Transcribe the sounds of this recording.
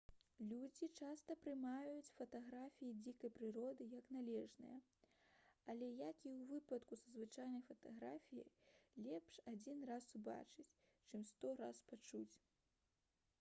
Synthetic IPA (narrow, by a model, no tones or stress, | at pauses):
lʲud͡zʲit͡ʂast̪ɐpɾɨmajut͡sʲfɐt̪aɣɾafʲijid͡zʲikɐjpɾɨɾɔd̪ɨjɐknalʲɛʐnɨ̰jɐ | ɐlʲɛjakiwvɨpɐt̪kusɐzvɨt͡ʂajnɐjfɐt̪aɣɾafʲijɐ̰jlʲɛpʂad͡zʲinrasuba̰t͡ʂɨt͡sʲ | t͡ʂɨmst̪ɔɾaspat͡ʂut͡sʲ